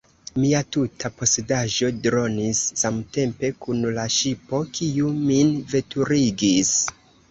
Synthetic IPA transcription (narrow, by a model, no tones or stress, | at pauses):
miatutʰapo̞sedaʒo̞dɾo̞nisːamte̞mpe̞kunlaʃipo̞kʰiuminve̞tuɾiɡis